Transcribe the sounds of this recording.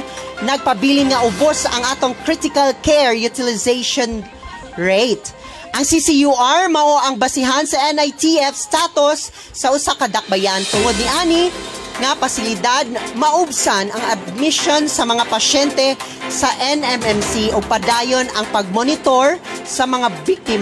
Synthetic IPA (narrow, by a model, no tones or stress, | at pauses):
nɐɡ̚pɐbiːlɪŋŋɐʔʊbosɐ̰ŋʔaːt̪oŋkɹit̪ɪkɐlkɛɹjʊt̪ɪlɪzejʃon | ɹejt̪ | ʔɐŋsisijuaɹmɐʔo̞ʔɐŋbɐsɪɦansɐʔɛnajt̪iɛfst̪at̪osː | ɐʔʊsakɐd̪ɐk̚bɐjant̪ʊŋod̪̚nɪʔaːnɪŋɐpɐsɪlɪd̪ad̪̚mɐʔʊbsanɐŋɐd̪̚mɪʃo̞nsɐmɐŋapɐʃɛnt̪ɛ | sɐʔɛnɛmɛmsiʔopɐd̪aːjo̞nɐŋpɐɡ̚monɪt̪oɹsɐmɐŋabik̚t̪ɪm